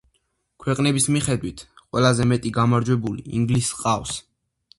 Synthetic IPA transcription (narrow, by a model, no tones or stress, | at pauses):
kʰwɛqʼnɛbismiχɛd̪wit̪ʰqʼwɛlazɛmɛt̪ʼiɡamaɾd͡ʒwɛbuliḭŋɡlisqʼafs